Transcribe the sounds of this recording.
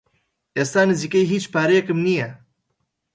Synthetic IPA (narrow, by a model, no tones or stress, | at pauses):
eːst̪aːnɨziːkejɦiːt͡ʃpaːɾejɛkɨmnijɛ